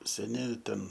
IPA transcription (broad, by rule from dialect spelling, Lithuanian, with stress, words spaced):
sʲɛˈnʲɪ ˈtʲɛn